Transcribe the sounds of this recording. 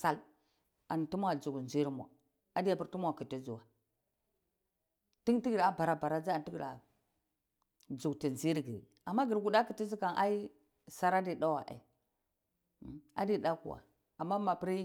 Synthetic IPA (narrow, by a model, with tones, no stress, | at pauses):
sa˦l | a˨n˨ti˦mʷ˦a˨d͡zu˨ɡnzi˦ɾmʷ˨a̰˨ | a˨di˦ja˨pi˦ɾtu˦mʷ˦a˨ki˨ti˦zu˨wa˨ | ti˦ŋti˦ɡi˨ɾa˨ba˨ɾa˨ba˨ɾa˦d͡zi˦a˨n˨ti˦ɡi˨ɾa̰˨ | d͡zu˨kti˨nzi˦ɾɡi˨ | a˨mːa˦ɡi˨ɾɡu˨da˦ki˨ti˦zi˦ka˨nʔa̰˦i˦ | sa˦ɾa˦di˨ɗa˦wa̰˨ʔḛ˨ | a̰˦di˦˨ɗa˦kṵ˨wa̰˨ | a˨mːa˦ma˨pi˦ɾi˦